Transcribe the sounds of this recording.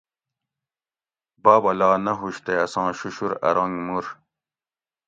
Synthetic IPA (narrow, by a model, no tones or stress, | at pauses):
baːbɐlaːnɐɦuɕt̪eɐsɑ̃ːɕuɕuɾɐ̰ɾɑ̃ŋɡmuɾ